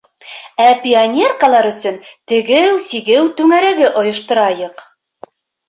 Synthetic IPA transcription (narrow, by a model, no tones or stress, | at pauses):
æpʲionʲerkalˠɑɾɵ̆sɵnt̪ɘ̆ɡɘwsiɡɘwt̪ʉŋæɾæɡɘʔŏjɤ̆ʃt̪ɤ̆ɾɑjɤq